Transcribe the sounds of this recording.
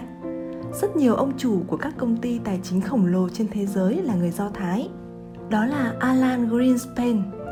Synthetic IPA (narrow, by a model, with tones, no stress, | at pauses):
z̥ə˦˥t̚ɲi˨˩əwʔə˧wŋ͡mt͡ɕu˧˩ku˧˩əkaː˦˥kːə˧wŋ͡mt̪i˧t̪aː˨˩jt͡ɕï˨˦ŋ̟xə˧˩wŋ͡mlo˨˩t͡ɕe˧nt̪ʰe˨˦zəː˨˦jlaː˨˩ŋɨ˨˩əjzɔ˧t̪ʰaː˨˦j | ɗɔ˨˦laː˨˩ʔaː˧laː˧nɣɾi˧nspe˧n